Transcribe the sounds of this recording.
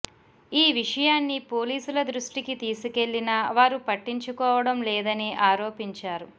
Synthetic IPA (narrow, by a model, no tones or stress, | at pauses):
iːʋiʂɐjaːnːipo̞ːliːsulɐd̪ɾuʂʈikit̪iːsuke̞ɭːinɐʋaːɾupɐʈːiɲt͡ʃukɔːʋɐɽɐmlɛːd̪ɐniʔaːɾo̞ːpiɲt͡ʃaːɾu